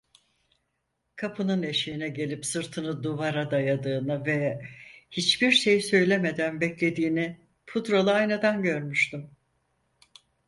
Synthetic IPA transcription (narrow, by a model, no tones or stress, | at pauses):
kʰapʰɯnɯne̞ʃijinɛɟe̞lʲipsɯɾt̪ʰɯnɯd̪uvaɾad̪ajad̪ɯːnɯvɛ | hit͡ʃbiɾʃejsø̞jlʲeme̞d̪ænbɛclʲe̞d̪iːni | pʰud̪ɾolˠaajnad̪anɟø̞ɾmyʃt̪ym